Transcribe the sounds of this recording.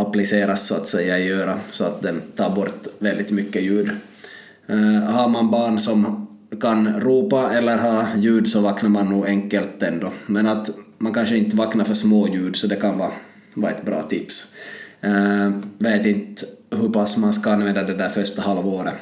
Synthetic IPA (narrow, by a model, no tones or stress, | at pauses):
aplɪseːɾasːɔat̪sɛjːaɛjøːɾasɔat̪̚d̪ɛnt̪ʰɑːɾbɔɾt̪vɛld̪ɪt̪mʏkːəjʉ̟ːd̪ | haɾmanbɑːɳsɔm | kʰanɾuːpaɛlːəɾɦɑːjʉ̟ːd̪sɔvɑːknaɾmanːuːɛŋkːəlt̪ɛnd̪ɔmɛnat̪mankʰanʂəɪnt̪əvɑːknaɾfœʂmoːjʉ̟ːɖ̪sɔd̪ɛkʰanvɑː | vɑːɛt̪bɾɑ̰ːt̪ʰɪps | veːt̪ɪnt̪ɦɵpasːmanskaanvɛnd̪ad̪ɛd̪æɾfœʂt̪ahalvoːɾə